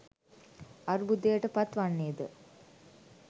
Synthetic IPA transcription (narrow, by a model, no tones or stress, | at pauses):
aɾbud̪ejəʈəpat̪ʋanːeːd̪ə